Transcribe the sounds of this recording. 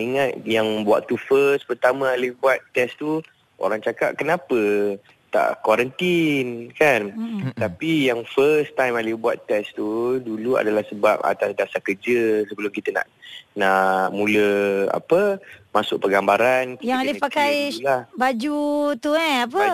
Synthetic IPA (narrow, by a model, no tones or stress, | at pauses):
iŋat̪̚jaŋbua̰ʔt̪ufəspərt̪amə̃alɪbuat̪ːɛst̪u | o̰ɾaŋt͡ʃaka̰ʔ̚kənapə | t̪a̰ʔkwaɾənt̪inkant̪apijaŋfəst̪ãjmalibuat̪ːɛst̪udulua̰dalahsəbap̚a̰t̪asdasakərd͡ʒəsəbəlʊmkit̪əna̰ʔnaʔʔmũləa̰pəmasʊk̚pəɡambaɾankjaŋalɪpakajlabad͡ʒut̪uɛapə